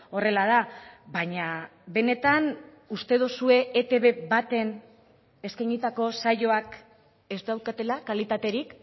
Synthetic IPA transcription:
o̞re̞lað̞abaɲaβe̞ne̞t̪an | ust̪e̞ð̞osue̞ʔet̪e̞βe̞βat̪e̞n | e̞skajŋit̪ako̞saʝo̞ak | e̞zd̪awɾkat̪e̞lakalit̪at̪e̞ɾik

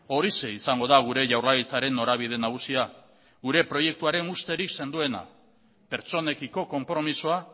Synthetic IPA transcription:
o̞ɾise̞isaŋɡo̞ð̞aɣ̞uɾe̞ʝawrlaɣit͡saɾe̞nːo̞ɾaβ̞iðe̞naɣ̞usia | ɣuɾe̞pɾo̞je̞k̚t̪uaɾe̞nust̪e̞ɾikse̞nd̪ue̞na̰ | pe̞ɾt͡so̞ne̞kiko̞ko̞mpɾo̞misoa

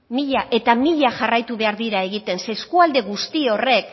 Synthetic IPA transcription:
miʎaʔe̞t̪amiʎaʝarajt̪uβe̞aɾðiɾae̞ɣit̪e̞nseskuald̪e̞ɣust̪io̞re̞k̚

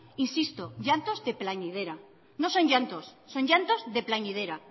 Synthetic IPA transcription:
insist̪oʝant̪o̞zðe̞plaɲið̞e̞ɾa | no̞so̞ɲʝant̪osːo̞ɲʝant̪o̞zðe̞plaɲið̞eɾa

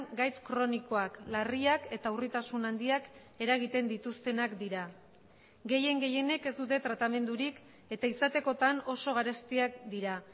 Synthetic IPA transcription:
ɡajt͡s̪kɾo̞niko̞aklariake̞t̪aurit̪asunand̪iak | e̞ɾaɣ̞it̪e̞nd̪it̪ust̪e̞nakd̪iɾa | ɡe̞je̞ŋɡe̞je̞ne̞ke̞zd̪ut̪e̞t̪ɾat̪ame̞nd̪uɾik | e̞t̪aisat̪e̞ko̞t̪ano̞so̞ɣ̞aɾe̞st̪iak̚d̪iɾa

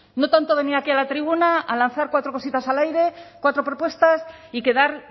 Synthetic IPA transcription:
no̞t̪ant̪oβe̞niakialat̪ɾiβunaʔalanθaɾkwat̪ɾo̞ko̞sit̪asalajɾe̞kwat̪ɾo̞pɾo̞pwe̞st̪asike̞ðaɾ

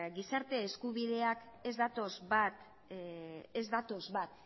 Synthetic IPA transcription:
ɡisaɾt̪e̞ːskuβiðe̞ake̞zd̪at̪o̞zβat̪ | ezd̪at̪o̞zβat̪

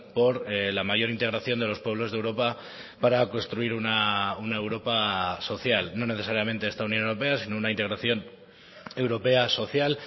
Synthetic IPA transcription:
po̞ɾelamaʝo̞ɾint̪e̞ɣɾaθjo̞nd̪e̞lo̞spweβ̞lo̞zðewɾo̞pa | paɾako̞nst̪ɾuiɾunaunae̞wɾo̞paso̞θjalno̞ne̞θe̞saɾjamẽ̞nt̪eest̪aunjo̞newɾope̞asino̞unaint̪eɾaθjo̞n | e̞wɾo̞pe̞aso̞θjal

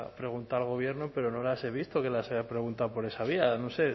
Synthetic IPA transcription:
pɾe̞ɣ̞unt̪alɣ̞o̞β̞je̞ɾnope̞ɾo̞no̞lase̞β̞ist̪o̞ke̞laseapɾe̞ɣ̞unt̪awpo̞ɾe̞saβ̞ianose̞

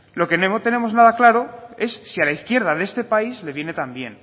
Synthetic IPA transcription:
lo̞ke̞nemot̪e̞ne̞mo̞znað̞aklaɾo̞e̞sːialaiθkje̞ɾð̞aðest̪e̞paizle̞βjene̞t̪ambje̞̰n

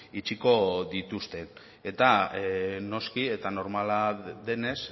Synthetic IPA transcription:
it͡ʃiko̞ðit̪ust̪e̞n | e̞t̪a | no̞skie̞t̪ano̞ɾmalaðe̞ne̞s

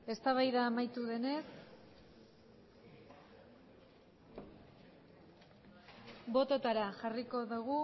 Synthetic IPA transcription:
e̞st̪aβajðaːmajt̪uðe̞ne̞s | bo̞t̪o̞t̪aɾaʝariko̞ðuɣ̞u

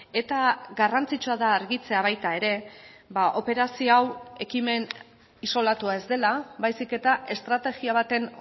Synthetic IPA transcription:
e̞t̪aɡarant͡sit͡ʃuaðaːɾɣit͡se̞aβ̞ajt̪ae̞ɾe̞baʔo̞pe̞ɾasioawe̞kime̞n | iso̞lat̪uae̞zd̪e̞labajsike̞t̪aʔe̞st̪ɾat̪e̞ɣiaβ̞at̪e̞n

